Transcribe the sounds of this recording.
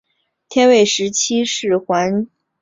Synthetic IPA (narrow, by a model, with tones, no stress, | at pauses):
t̪ʰjɛ˥nwe˥˩ɪʂɻ̩˧˥t͡ɕʰi˥ʂɻ̩˥˩xwa˧˥n